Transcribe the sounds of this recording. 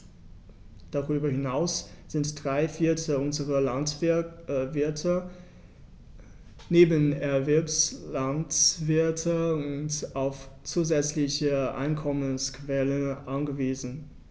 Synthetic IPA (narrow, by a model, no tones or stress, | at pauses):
d̥aʁyːbɐhɪnaʊs | z̥ɪntd̥ʁaɪfɪɐtʰəʊnzəʁəlant | vɪɐtʰə | neːbənɛɐvɛɐpslantv̥ɪɐtʰəʊntaʊft͡suːzɛt͡slɪçəʔa̰ɪnkʰɔmənskv̥ɛlənʔanɡəviːzn̩